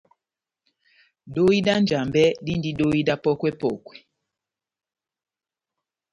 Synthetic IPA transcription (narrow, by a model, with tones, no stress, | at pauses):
do˦i˦da˦n˨d͡ʒa˨mbɛ˦di˦ndi˦do˦i˦da˦pɔ˦kwɛ˦pɔ˨kwɛ˨